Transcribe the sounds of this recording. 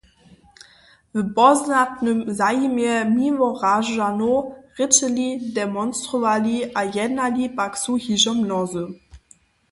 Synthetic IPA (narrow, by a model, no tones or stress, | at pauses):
vəbɔznatnəmzajimjɛmivɔʁaʒanoʁɪtəlidɛmɔnstʁɔvaliajɛnalipaksuhiʒɔmnɔzə